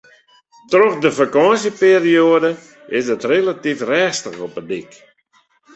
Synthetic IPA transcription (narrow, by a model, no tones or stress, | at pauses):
trɔxdəfakɑsəpeːrioədə | ɪsdətrelatifrɛːstəxɔpədik